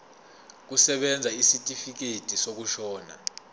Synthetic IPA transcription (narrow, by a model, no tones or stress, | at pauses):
k̬usɛɓɛnd͡zʱaisitʼifik̬etʼisok̬uʃɔːna̰